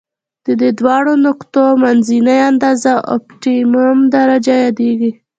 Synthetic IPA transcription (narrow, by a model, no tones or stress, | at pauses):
d̪̥əd̪ed̪wɑɽonʊkt̪omanzinajand̪ɑzaʔɔ̰p̚ʈimamd̪aɾad͡ʒajɑd̪eɡi